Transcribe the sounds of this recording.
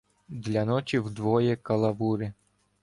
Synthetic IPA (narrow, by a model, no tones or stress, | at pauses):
d̪lʲɐnɔt͡ʃʲiwd̪ʋɔjɛkɐlˠɐʋuɾɪ